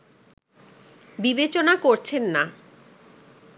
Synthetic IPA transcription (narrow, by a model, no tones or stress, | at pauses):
bibet͡ɕonakoɾt͡ɕʰenːa